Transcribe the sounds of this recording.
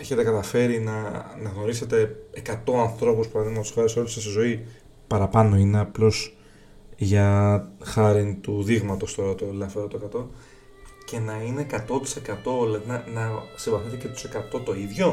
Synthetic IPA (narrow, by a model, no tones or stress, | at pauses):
e̞çet̪e̞kɐt̪ɐfe̞ɾinɐnɐɣno̞ɾise̞t̪e̞ekɐt̪o̞ɐnθɾo̞puspɐɾɐðiɣmɐtosɐɾesolesesizo̞i | pɐɾɐpɐno̞ine̞ɐplo̞s | ʝɐxɐɾint̪uðiɣmɐt̪o̞st̪oot̪olɐfeɾot̪okɐt̪o̞ | ce̞nɐine̞ːkɐt̪o̞t̪i̥se̞kɐt̪o̞lɐðinɐnɐsivɐθnic̪et̪et̪ose̞kɐt̪o̞t̪o̞iðʝo̞